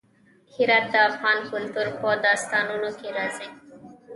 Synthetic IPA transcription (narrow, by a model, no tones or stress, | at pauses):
kʰiɾat̪̚d̪afaːnkult̪uɾpɔd̪ast̪anunoked̪aze